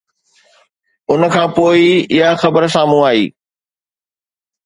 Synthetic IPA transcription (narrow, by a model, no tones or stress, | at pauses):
ʊnə̆kʰãːpoːiɪɦaxɐbəɾsaːmũaːɦḭː